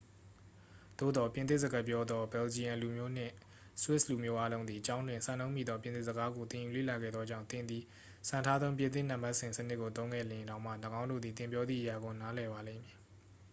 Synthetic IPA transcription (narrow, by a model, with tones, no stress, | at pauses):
d̪̥o̰˦˨d̪ɔ˨pjɪ̃˨t̪ɪ˦ʔzə˨ɡa˦˨pjɔ˦d̪ðɔ˦bɛ˨ld͡ʑi˨ã˨nlu˨mjo˦˨n̥ɪ̰̃˦˨ | swɪ˦ʔslu˨mjo˦ʔa˦lõ˦ʊ̃nd̪i˨t͡ɕã˦ʊ̃ndwɪ̃˨nsã˨nõ˦ʊ̃mjḭ˦˨d̪ɔ˦p̬j̃ɪ̃˨nɪ˦ʔzəɡa˦ɡo˨t̪ɪ̃˨ju˨lḛ˦˨la˨ɡɛ̰˦˨d̪ðɔ˦d͡ʑã˦˨ʊ̃nt̪ɪ̃˨nd̪ði˨ | sʰã˨ntʰa˦d̪ðõ˦mp̬jɪ̃˨ɪ̃˦˨n̥ã˨mba˦ʔsɪ̃˨sənɪ˦ʔkːo˨t̪õ˦ʊ̃ŋɡɛ̰˦˨lɪ̃˨nã˨˦ʊʔm̥ä̰˦˨nə˨ɡã˦ʊ̃ndo̰˦˨d̪ði˨t̪ɪ̃˨mpjɔ˦d̪ðḭ˦˨ʔəja˨ɡo˨na˨˦lɛ˨ba˨lḛ̃˦˨mji˨